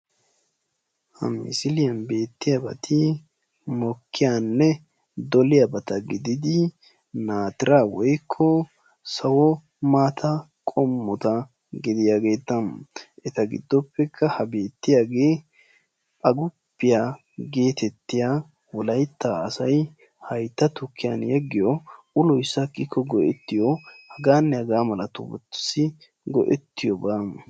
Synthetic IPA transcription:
hɐ̰mɪ̰sɪlɪjɐnbe̞ːt̪ːɪjabɐ̰t̪ʰɪ | mɔkːɪjanːɛ | d̪ɔlɪjabɐt̪ɐɡɪd̪ɪd̪ɪ | naːt̪ɪɾaːwɔjkʰːɔ | sɐwɔ | maːt̪ʰɐ | kʼɔmːɔt̪ɐ | ɡɪd̪ɪjaːɡe̞ːt̪ːɐmʔɛt̪ɐɡɪ̰d̪ːɔpːɛkʰːɐhɐbe̞ːt̪ːɪjaːɡeː | ʔɐɡʊpːɪja | ɡe̞ːt̪ɛt̪ːɪjaː | wɔlɐjt̪ːaɐsɐj | hɐjt̪ːɐt̪ʊkʰːɪjɐ̰njɛɡːɪjɔ | ʊlɔjsːɐkːɪkʰːɔɡɔʔɛt̪ːɪjɔhɐɡaːnːɛhɐɡaːmɐlɐt̪ʊ̰bʊ̰t̪ːɪ̥sɪ | ɡɔ̰ʔɛ̰t̪ːɪjɔbaːm

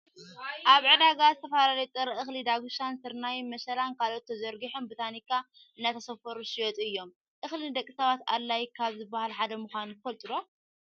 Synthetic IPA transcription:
ʔaβʕɨd̪aɡazɨt̪ʰɐfalalɐjut̪ʼɨɾɨxlid̪aɡuʃansɨɾnajmɐʃɐlankʰalot̪ʰːɐzɐɾɡiħombɨt̪ʰanikːa | ɨnːat̪ʰɐsɐfɐɾuʃɪjot̪ʼɨjːo̞m | ʔɨxlɨnɨd̪ɐkʼːisaβat̪a̰lːajkʰaβzɨbːahalħad̪ɐmuxʷanfɐlt̪ʼɨd̪o

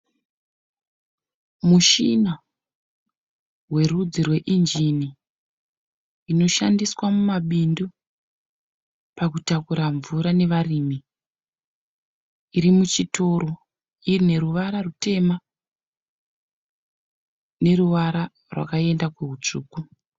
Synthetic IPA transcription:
muʃina | rwe̞rud͡zirwe̞ʔind͡ʒini | no̞ʃandiswamumaɓindu | pakutakuɾaɱvuɾane̞ʋarimi | iɾimut͡ʃito̞ɾo | irine̞ɾuʋaɾarute̞ma | ne̞ruʋaɾa | rwʔa̰kae̞ndakweɦut͡ʂuːku

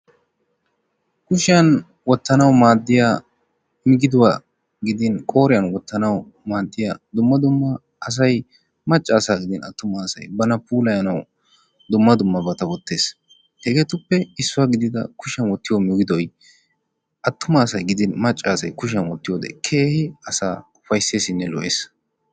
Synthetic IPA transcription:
kʊʃɪjɐn | wɔt̪ːɐnɐwmaːd̪ːɪjaː | mɪɡɪd̪ʊwaː | ɡɪd̪ɪnkʼo̞ːɾɪjɐnwɔt̪ːɐnɐw | maːd̪ːɪja̰ːd̪ʊmːɐd̪ʊmːɐː | s̬ɐj | mɐt͡ʃʼːaːsaːɡɪd̪ɪnɐ̰t̪ːʊmaːsɐ̰jbɐnɐpuːlɐjɐnɐw | d̪ʊmːɐd̪ʊmːɐbɐt̪ɐwɔt̪ːe̞ːs | hɛɡeːt̪ʊpːɛɪsːʊwaːɡɪd̪ɪd̪ɐ̰kʊʃɐnwɔt̪ːɪjɔmɪɡɪd̪ɔj | ʔɐt̪ːʊmɐːsɐjɡɪd̪ɪnmɐt͡ʃʼːaːsɐjkʊʃ̬ɐnwɔt̪ːɪjoːd̪ɛ̰kʰe̞ːhɪɐsa̰ːʊfɐjsːe̞ːsɪnːɛlɔʔeːs

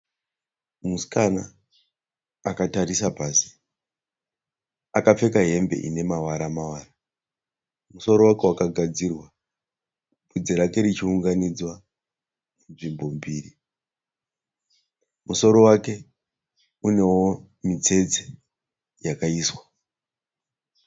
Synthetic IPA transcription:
muskana | akataɾisapaːsi̥ | akap͡fe̞kaɦe̞mbe̞̰ʔḭne̞mawaɾamawaːra | muso̞ɾo̞wake̞wakaɡʱad͡zirwa | bud͡zeɾake̞ɾit͡ʃiuŋɡanid͡zwa | nunʐimbo̞mbiːri | muso̞ɾo̞wake̞ | une̞wo̞ | mit͡se̞d͡ze | jakaiːswḁ

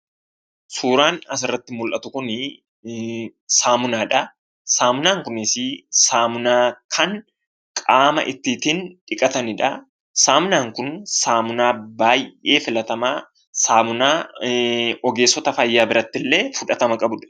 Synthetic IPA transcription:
suːɾaːnɐs̬ɪrːɐt̪ːɪmʊlʔɐt̪ʊkʊnɪ | saːmʊnaːᶑɐ | saːmʊnaːŋkʊnɪsɪsaːmʊnaːkʰɐŋ | kʼaːmɐ̰ʔɪt̪ːiːt̪iːnᶑɪkʼɐt̪ɐnɪᶑɐ | saːmʊnaːŋkʊnsaːmʊnaːbaːjʔe̞ːfɪlɐt̪ɐmaː | saːmʊnaː | ɔɡe̞ːsːɔt̪ɐfɐjːaːbɪɾɐt̪ːɪlːe̞ːfʊᶑɐt̪ɐmɐkʼɐbʊᶑɐ̥

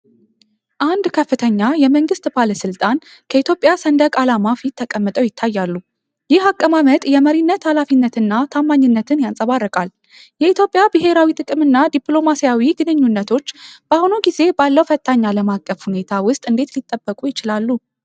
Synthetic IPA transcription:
ʔand̪kʰəfːɨt̪ʰəɲːajɛməŋɡɨst̪ʼbaləsɨlt̪ʼan | kʰəit̪ʰjo̞pʼjasənd̪əkʼalamafit̪ʰːəkʼəmːɨt̪ʼəwjɪt̪ʰːajːalːu | jɪhakʼːəmamət̪ʼjɛməɾinːət̪ʰalafinːət̪ʰɨnːat̪ʰamːaɲːɨnːət̪ʰɨnjansʼəβarːɨkʼal | jɛit̪jo̞pʼːjabɨɦe̞ɾawit̪ʼɨkʼɨmɨnːad̪ipʼlo̞masijawiɡɨnɨɲːunːət̪ʰo̞t͡ʃːb̥ahunuɡize̞balːəwfət̪ʰʼːaɲːaləmakʼːəfhune̞t̪ʰawʊst̪ʼɨnd̪e̞t̪lit̪ʼːəbːəkʼujɪt͡ʃɪlalːu

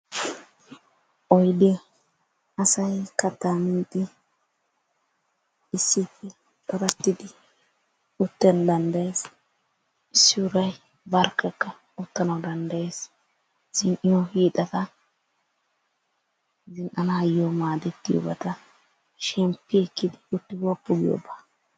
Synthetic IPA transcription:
ʔɔjd̪ɛ | ɐsɐjkɐt̪ːamɪt̪ːɪ | ɪsːɪpːɛ | tʼɐbɐt̪ːɪd̪ɪ | ʊt̪ːɛnd̪ɐnd̪ɐjeːs | ɪsːɪʊɾɐj | bɐɾkːɛkːɐ | ʊt̪ːɐnɐwd̪ɐnd̪ɐje̞ːs | z̥ɪnʔɪjɔhiːt̪ʼɐt̪ɐ | zɪnʔɐnɐjːomaːd̪ɛt̪ːɪjo̰bɐt̪ɐ | ʃɛmpːɪɛkːɪd̪ɪʊt̪ːɪbɔpːʊɡɪjo̰baː

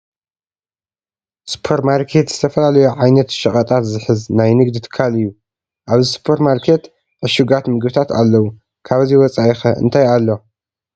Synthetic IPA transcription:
su̥pʰeɾmaɾkʰe̞t̪z̥ɨt̪ʰɐfɐlalɐjuʕajnɐt̪ʃɐχʼɐt̪ʼat̪zɨħɨznajnɨɡd̪it̪ʰɨ̥kʰːalɨjːu | ʔaβzɨsu̥pʰeɾmaɾkʰe̞t̪ | ʕɨʃuɡat̪mɨɡbɨt̪ʰat̪ʰa̰lːɐwu | kʰaβɐziwɔt͡sʼajixɐʔɨ̰nt̪ʰajalːo̞

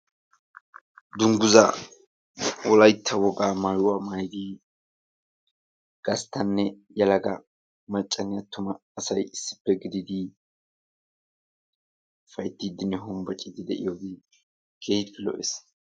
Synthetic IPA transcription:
d̪ʊŋɡʊzɐ̰ | wɔlɐjt̪ʰːɐwɔɡaːmajʊwaːmaːjd̪iː | ɡ̥ɐst̪ːɐnːɛjɐlɐɡɐ | mɐt͡ʃʼːɐnɛjɐt̪ːʊmɐːsɐjɪsːɪ̥pːɛɡɪd̪ɪd̪i | fɐjt̪ːid̪ɪnːɛɦʊmbɐt͡ʃʼɪd̪ɪd̪ɛʔɪ̰joːɡɪ | keːhɪt̪pɪlɔ̰ʔɛs

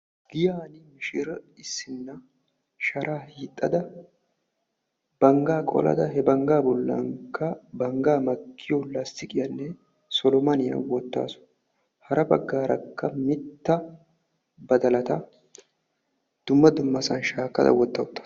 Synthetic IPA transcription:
ɡ̥ɪjaːnɪmɪʃɪɾɐɪsːɪnːɐ | ʃɐɾʔaːhiːt̪ʼːɐd̪ɐ | b̥ɐŋɡaːkʼɔ̰lɐ̰d̪ɐhɛbɐŋɡaːbɔlːɐ̰ŋkːɐbɐŋɡaːmɐkʰːɪjɔlːɐst̪ɪkʼɪjɐnːɛ | sɔlɔmɐnɪjɐ̰nwɔt̪ːa̰ːsʊ̥ | hɐɾɐbɐ̰ɡːaːɾɐkːɐmɪt̪ːɐ | bɐd̪ɐlɐt̪ɐ | d̪̥ʊmːɐd̪ʊmːɐsɐnʃaːkːɐ̰d̪ɐ̰wɔt̪ːɐwʊt̪ːḁ

